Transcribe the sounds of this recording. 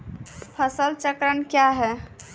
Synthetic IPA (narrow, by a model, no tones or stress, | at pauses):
pʰəsəlt͡ʃəkɾənkjaɦɛ